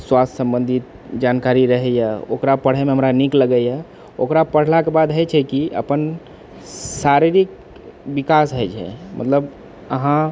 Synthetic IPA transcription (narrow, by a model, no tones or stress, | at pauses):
swast̪ʰsə̃mbənd̪ʱit̪ | d͡ʒankaɾiɾəɦɛjəo̰kɾapəɽ̤ɛmeɦəmɾanikləɡəjə | o̰kɾapəɽ̤lakebad̪ɦəjt͡ʃʰɛkiə̰pən | saɾiɾik̚ | bikasɦəjt͡ʃʰɛ̰mət̪ləb | əɦã